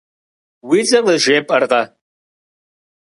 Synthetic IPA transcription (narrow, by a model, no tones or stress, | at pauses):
wit͡sʼɐvɐʒʷeːpʼɐrqɐ